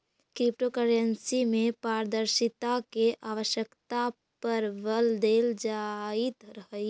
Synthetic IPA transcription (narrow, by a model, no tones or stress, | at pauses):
kɾɪpʈokəɾənsimẽpaːɾd̪əɾʃɪt̪akeʔaːʋəʃjəkt̪a | pɐɾʋəld̪eːld͡ʒaːɪt̪ɾəɦəi